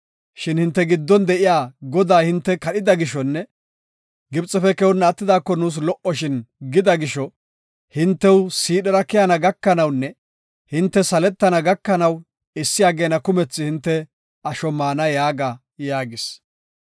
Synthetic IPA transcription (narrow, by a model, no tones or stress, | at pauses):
ʃɪnhɪnt̪ːɛɡɪd̪ːɔnd̪ɛʔɪjaːɡɔd̪aːhɪnt̪ːɛkɐɗɪd̪ɐɡɪʃɔnːɛ | ɡɪbt͡sʼɛfɛkɛwʊnːɐt̪ːɪd̪aːkːɔnuːs̬lɔʔɔʃɪnɡɪd̪ɐɡɪʃɔ | hɪnt̪ːɛwsiːɗɐɾɐkɪjɐnɐɡɐkːɐnɐwnːɛ | hɪnt̪ːɛsɐlɛt̪ːɐnɐɡɐkːɐnɐw | ɪsːɪjaːɡeːnɐkʊmɛt͡sːɪhɪnt̪ːɛ | ɐʃɔmaːnɐjaːɡa | jaːɡɪs